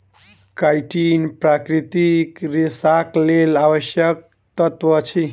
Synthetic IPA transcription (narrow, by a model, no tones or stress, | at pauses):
kajʈinpɾakɾit̪ikɾisaklelawʌsjʌk̚t̪ʌt̪wʌt͡ʃʰi